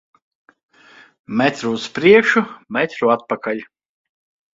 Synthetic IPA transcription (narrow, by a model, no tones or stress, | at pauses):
mɛt̪ɾuːspɾiɛkʃumɛt̪ʲɾuat̪̚pakʰaʎʲ